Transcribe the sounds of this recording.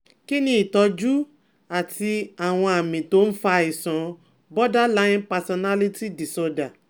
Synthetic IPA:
ki˦nĩ˦i˨tɔ˧d͡ʒu˦ | a˨tʰi˧a˨w̃ɔ̃˧a˨mĩ˨to˨˦n̩˦fa˧i˨sɔ̃˨˦ | bɔ˦da˦la˦ĩ˦npa˧sɔ˧na˦li˦ti˦di˨sɔ˧da˨

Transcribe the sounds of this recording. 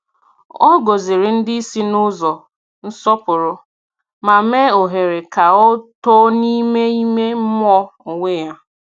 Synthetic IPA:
ɔ˦ɡo˨zɪ˨ɾɪ˨n̩˦dɪ˦i˦si˦nʊ˦zɔ˨ | n̩˦sɔ˦pʊ˨ɾʊ˨ | ma˨me˦o˨ɦe˨ɾe˨ka˨ɔ˦to˦ni˦me˦i˦me˦m̩˦m˦ɔ˦o˨ŋʷe˦ja˦

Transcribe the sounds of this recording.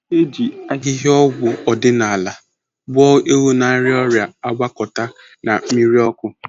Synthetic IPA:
e˦d͡ʒi˨a˦ɡɪ˦ɦɪ˦ɔ˦ɡʷʊ˨ɔ˨dɪ˦na˨a˨la˨ | bɔ˦ʔe˦wo˦na˨˦ɾɪ˦ɔ˦ɾja˨a˦ɡ͡bʷa˦kɔ˨ta˦ | na˨m̩˦mi˦ɾi˦ɔ˦kʊ˦

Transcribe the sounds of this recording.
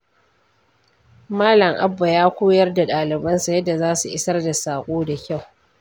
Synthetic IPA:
maː˦lɐ˨ŋʔa̰˦bːa˨jaː˦kʷoː˦jɐ˦rda˨ɗaː˨lɪ˨bɐ˦nsa˨jɐ˦dːa˨zaː˦su˨ʔɪ˦sɐ˦rda˨saː˨kʷʼoː˦da˨kʲa˦˨w

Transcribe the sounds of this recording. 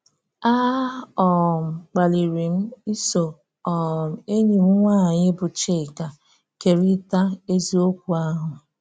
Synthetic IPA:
a˦ɔ˨m̩˨k͡pa˨li˨ɾi˨m̩˦i˦so˨ | ɔ˨m̩˨e˦ɲi˨m̩˦ŋʷaː˦˨ɲɪ˦bʊ˨t͡ʃe˦˨ka˨ | ke˨ɾi˦ta˦e˦zi˦o˦kʷu˨a˦ɦʊ˨

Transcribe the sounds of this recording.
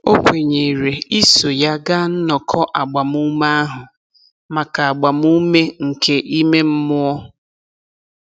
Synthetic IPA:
o˦kʷe˨ɲe˨i˨ɾe˨i˦so˨ja˦ɡa˦n̩˦nɔ˨kʰɔ˦ʔa˨ɡ͡ba˨mu˦ma˦a˦ɦʊ˨ | ma˨ka˨a˨ɡ͡ba˨mu˦me˦ŋ̩˨kʰe˦ʔi˦me˦m̩˦mʊ˦ɔ˦

